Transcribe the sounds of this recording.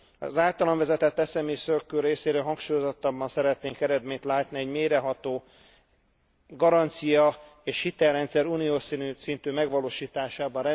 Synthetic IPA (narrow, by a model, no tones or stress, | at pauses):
ɒ̰zaːlt̪ɒlɔɱvɛzɛt̪ɛt̪ːɛsɛmisøkːøːrːeːseːɾøːlɦɒŋkʃuːjozot̪ːɒbːɒnsɛɾɛt̪neːŋkɛɾɛd̪meːɲt̪laːt̪niɛɟmeːɾɛɦɒt̪oː | ɡɒɾɒnt̪sijɒeːʃhit̪ɛlrɛnt̪sɛɾuːnijoːsinyːsint̪yːmɛɡʋɒloːʃiːt̪aːʃaːbɒnrɛ